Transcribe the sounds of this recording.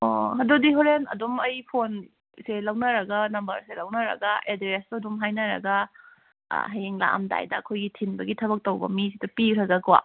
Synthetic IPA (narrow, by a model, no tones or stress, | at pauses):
oɦɐdodiɦoɾenɐ̰dumɐjpʰon | selɐwnɐɾɐɡɐnɐmbɐɾselɐwnɐɾɐ̰ɡɐʔedɾestɐdumɦajnɐɾɐ̰ɡɐ̰ | ɦɐjeŋla̰mda̰jdɐːkʰojɡitʰinbɐɡitʰɐbɐk̚towbɐ̰misidupiɾɐɡɐɡwa̰